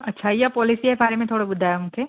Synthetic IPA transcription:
ɐtːʃʰajapɔːlisiɛbaːɾemẽt̪ʰoːɽabʊd̪ʱaːjeɦũːke

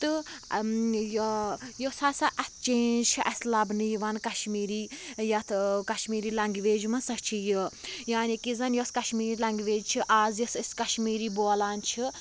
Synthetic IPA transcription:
t̪ɨ | jjosɐsɐʔɐt̪ʰt͡ʃeːnd͡ʒt͡ʃʰiʔɐslɐbnɨjiʋɐnkɐʃmiːɾiːjɐt̪ʰkɐʃmiːɾiːlɐŋɡʋeːd͡ʒumɐsɐt͡ʃʰijəjaːnikizɐnjoskɐʃmiːɾilɐŋɡʋeːd͡ʒt͡ʃʰiʔaːzjɐsiskɐʃmiːɾiːboːlaːnt͡ʃʰi

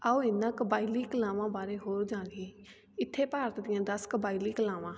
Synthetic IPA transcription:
aoːɪnːãːkəbaːiliːkəlãːʋãːbaːɾeːɦoːɾd͡ʒãːɡiː | ɪt̪ʰːeːpaːɾət̪d̪ɪjãːd̪əskəbaːiliːkəlãːʋãː

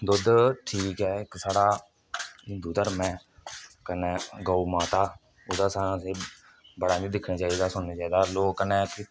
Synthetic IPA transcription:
d̪ʊd̪ʈʰiːkɛːɪksaːɽaː | d̪uːd̪əɾmɛ̃ː | kəneːɡəuːmaːt̪aː | ʊd̪aːsaːnãseː | bəɽaːd͡ʒiːd̪ɪkʰnaːt͡ʃaːiːd̪aːsʊnnaːt͡ʃaːiːd̪aːloːkːənɛːkɪ

